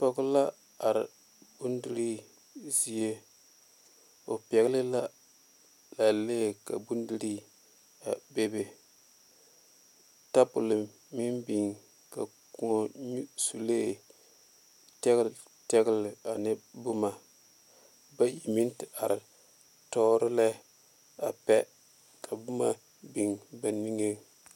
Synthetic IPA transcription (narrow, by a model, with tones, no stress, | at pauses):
pɔ˦ɡʊ˦la˦ | a˨ɾɪ˨ | bu˦ndi˨ɾi˦ | zi˦je˦ | o˨pɛ˨ɣɪ˦lɨ˦la˦ | la˨leː˦˨ka̰˨bu˦ndi˦ɾi˦ | a˨be˦be˨ | ta˦pʊ˨lɨ˨mː | i˦nbi˨ŋ | ka̰˨ | ku˨o˨ɲu˦su˨leː˦ | tɛ˦ɣ | tɛ˦ɡɪ˦lɪ˨a˨nɪ˦bʊ˦ma˨ | ba˦ji˨mi˦ntɪ˨ʔa˨ɾɪ˨ | tɔ˦ɾɪ˦lɛ˦ | a˨pɛ˦ | kʰa˨bʊ˦ma˨ | bi˨ŋba˨nmi˦ŋe˦